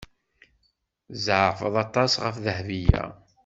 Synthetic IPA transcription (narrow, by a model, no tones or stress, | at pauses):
zʕfəðˤɑt̪ˤːɑsʁəfðəhvijæ̰